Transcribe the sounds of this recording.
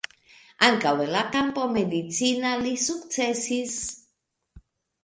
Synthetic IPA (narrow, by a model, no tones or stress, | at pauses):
ankawelakanpomed̪it͡sinalisukt͡sesis